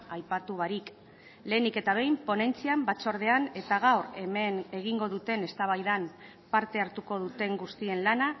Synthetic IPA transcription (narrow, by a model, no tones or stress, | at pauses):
ajpat̪uβaɾik | le̞ːnike̞t̪aβ̞e̞jmpo̞ne̞nt͡siambat͡so̞ɾð̞e̞ane̞t̪aɣ̞awɾe̞me̞ne̞ɣ̞iŋɡo̞ðut̪e̞ne̞st̪aβ̞ajðam | paɾt̪e̞aɾt̪uko̞ðut̪e̞ŋɡust̪ie̞nlana